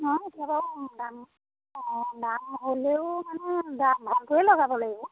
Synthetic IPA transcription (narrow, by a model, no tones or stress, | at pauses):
ɦɔ̃etijabadam | damɦoleʊmanɛdambʱɔntʊɛlɔɡabɔlaɡibɔ